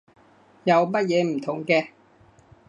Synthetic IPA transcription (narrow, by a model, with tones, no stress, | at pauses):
jɐ˨˧wmɐ˥t̚jɛː˨˧m̩˨˩t̪ʰʊ˨˩ŋkɛː˧